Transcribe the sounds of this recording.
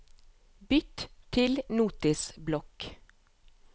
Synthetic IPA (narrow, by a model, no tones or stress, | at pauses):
bʏt̪t̪ʰɪlnuːt̪ɪsblɔk